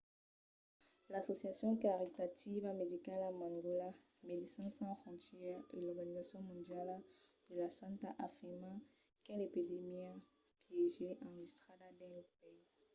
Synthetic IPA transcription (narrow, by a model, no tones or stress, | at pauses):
lasosjasjɔ̃kaʁit̪at̪ivamed̪ikalamãŋɡola | medisãsɑ̃fɔ̃nt̪jɛʁḛlɔʁɡanizasjɔ̃mɔ̃nd̪jald̪əlasãt̪aʔafiʁmã | kelepid̪emia | pjeʒeʔãʒist̪χad̪ad̪ɛ̃pɛ